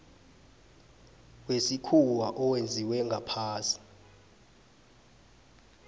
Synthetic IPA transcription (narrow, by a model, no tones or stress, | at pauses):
wesikʰuwaʔɔwend͡zʱiwɛŋɡʱapʰaːsi̥